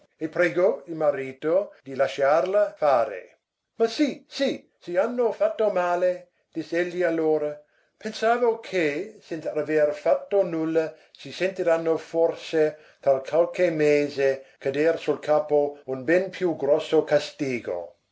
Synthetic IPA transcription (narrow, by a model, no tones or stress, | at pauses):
epɾeɡoilmaɾiːt̪od̪ilaʃaːrlafaːɾḛ | masisi | sianːofat̪ːomaːle | d̪̥isːeʎːialːoːɾɐ | pʰensaːvokʰesensaaverfat̪ːonulːa | sisent̪iɾanːoforse | t̪alkʰwalkemeːzekʰad̪eːrsulkʰaːpounbɛnpʰjuɡɾɔsːokast̪iːɡo̰